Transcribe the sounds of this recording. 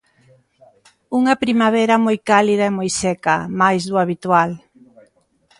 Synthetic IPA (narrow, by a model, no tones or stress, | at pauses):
uŋɐpɾimaβ̞ɛɾɐmojkalið̞aemojsɛkɐmajzðuaβit̪wal